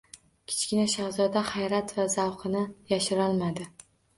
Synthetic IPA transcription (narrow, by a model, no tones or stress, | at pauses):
kʲʰɪ̥t͡ʃkʲɪnaʃahzɒd̪aχajɾat̪vazawqʰɨnɪjaʃɪɾɒlˠmad̪ɪ